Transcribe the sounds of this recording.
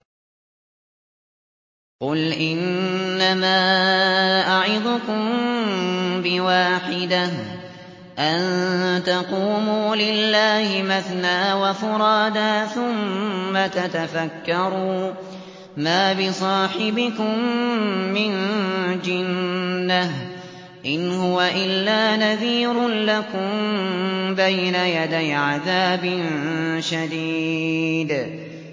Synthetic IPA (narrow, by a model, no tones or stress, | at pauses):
qʊlʔɪnːamaː | ʔaʕɪd̪ˤʊkʊm | bɪwaːħɪd̪a | ʔant̪ɑquːmuːlɪlːaːhɪmaθnaːwafʊɾˤɑːd̪aːθʊmːat̪at̪afakːɑɾˤuː | maːbɪsˤɑːħɪbɪkʊmː | ɪnd͡ʒɪnːah | ʔɪnhʊwaʔɪlːaːnaðiːɾʊlakʊm | bajnajad̪ajʕaðaːbɪnʃad̪iːd̪